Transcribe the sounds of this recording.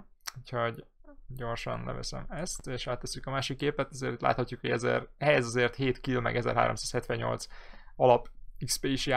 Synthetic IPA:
uchoɟɟo̞rʃɒnlɛ̰vɛ̰sɛ̰mɛst̪eːʃaːt̪ːɛsːykɒmaːʃikːeːpɛt̪ɒzeːɾt̪it̪la̰ːt̪hɒcːukhoɟɛzɛ̰rhɛjɛzɒzeːrt̪heːt̪kilmɛ̰ɡɛzɛ̰rɦa̰ːɾʔomsaːshɛt̪ʋɛɲɲo̞̰lt̪sɒlɒpikspeiʃja

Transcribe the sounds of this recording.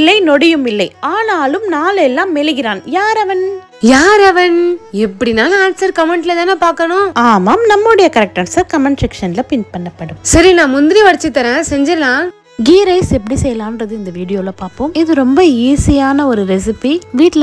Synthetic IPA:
lːɐɪnɔɽɪjɯmɪlːɐɪaːnaːlɯmnaːlɛlːãːmɛlɪɣɪɾaːnjaːɾɐʋɐn | jaːɾɐʋɐnɛpːɐɽinaːlɐaːnsɐɾkɐmɛɳʈlɐt̪ãːnepaːɾkɐnʊ̃aːmaːmnɐmːoɽɐjɐkɐɾɛk̚ʈɐɾsaːɾkɐmɐɳsɛkʂɐnlɐpɪnpɐɳːɐpːɐɽɯmsɐɾinãːmʊnd̪ɪɾiʋɐɽɪt͡ʃːɯt̪ːɐɾɛ̃ːsɛɲd͡ʒɪɾlãː | ɡiːɾɐɪsɛpːɐɽisɛjɐlaːnɾɐðɯɪnd̪ɐʋiːɽɪjoːlɐpaːɾpoːmɪðɯɾɔmbɐiːsɪjaːnɐɔɾɯɾɛsɪpiʋiːʈl

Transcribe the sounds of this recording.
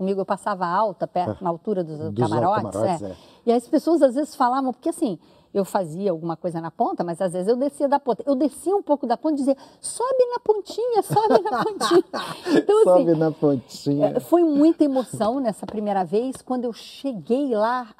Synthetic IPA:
kõmiɡʊewpasavɐawt̪ɐpɛɾt̪ʊnɐawt̪uɾɐd̪ʊsd̪ama̰ɾɔt͡ʃɾɪzɛɛ̰ | iɐspesoɐzazvezɪsfalavɐ̃w̃poɾkeasĩ | ewfaziɐawɡũmɐkojzɐnɐpõnt̪ɐmɐzazvezɪzewd̪esiɐd̪ɐpõnt̪ɐewd̪esiɐũpowkʊd̪ɐpõt̪̚d͡ʒɪziɐsɔbɪnɐpõnt͡ʃĩɲɐsɔbɪnɐppõt͡ʃĩɲɐẽt̪ɐ̃w̃asɔĩbɪnɐpõt͡ʃsĩɲɛfojmũj̃t̪ɐemosɐ̃w̃nɛsɐpɾimejɾɐvejskwɐ̃nd̪ʊewʃeɡejla

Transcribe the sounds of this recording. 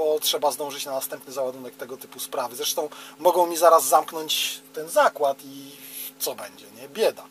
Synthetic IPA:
bɔtʂɛbazd̪ɔ̃w̃ʐɘt͡ɕnanast̪ɛmpnɘzawad̪unɛk̚t̪ɛɡɔt̪ɘpuspɾavɘzɾɛʂt̪ɔ̃w̃mɔɡɔ̃w̃mʲizaɾazːamknɔɲt͡ɕt̪ɛnzakwat̪i | t̪sɔbɛɲd͡ʑɛɲɛbʲjɛd̪a

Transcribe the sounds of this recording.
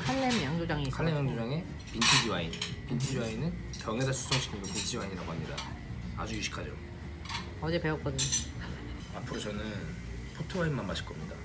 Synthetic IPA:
kʰaɭːemjaŋd͡ʑod͡ʑaŋikʰaɭːemjaŋd͡ʑod͡ʑaŋe̞ | pintʰid͡ʑiwainpintʰid͡ʑiainɯn | kjʌŋedasʰu̥s͈ʰʌŋɕʰi̥kʰiɡopint͡ɕʰd͡ʑiwaiɲiɾaɡoɦamɲida̰ | a̰d͡ʑuiɕʰi̥kʰad͡ʑo̰ | ʌd͡ʑe̞pe̞wʌp̚k͈ʌdɯɲ | apʰɯɾot͡ɕʌnɯn | pʰotʰowainmammaɕʰi̥ɭk͈ʌmɲida

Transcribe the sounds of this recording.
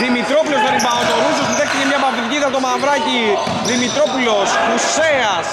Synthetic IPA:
ðimit̪ɾo̞pulozmeɾibɐot̪oɾusost̪iðekt̪icemɲɐpɐfit̪iciðɐot̪omɐvɾɐci | ðimit̪ɾo̞pulo̞spuseɐs

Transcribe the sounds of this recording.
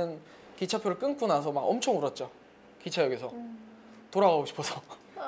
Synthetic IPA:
ɯn | kit͡ɕʰapʰjoɾɯɭk͈ɯnk͈unasʰʌmaɡʌmt͡ɕʰoŋuɾʌt̚t͡ɕ͈o | kit͡ɕʰajʌɡesʰʌ | toɾaɣaɡoɕʰi̥pʰosʰʌ

